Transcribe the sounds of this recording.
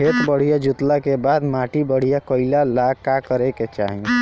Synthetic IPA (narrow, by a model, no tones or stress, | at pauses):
et̪bəɽ̤ijad͡ʒut̪lakebad̪maʈibəɽ̤ijakəɪlalakakəɾɛket͡ʃa̰ɦi